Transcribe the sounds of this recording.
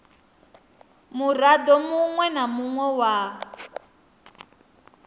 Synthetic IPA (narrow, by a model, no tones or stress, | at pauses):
muradɔmuŋwɛnamuŋwɛwa